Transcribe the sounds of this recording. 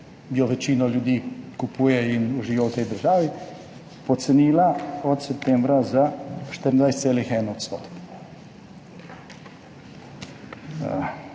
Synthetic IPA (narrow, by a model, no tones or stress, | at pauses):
bioʋet͡ʃinoʎuːd̪ikupʰujeinuʒijot̪eijd̪r̩ʒaʋi | pot̪senilaod̪sep̚t̪eːmvɾazat͡ʃt̪ɾnajst̪elixenot̪st̪o̰t̪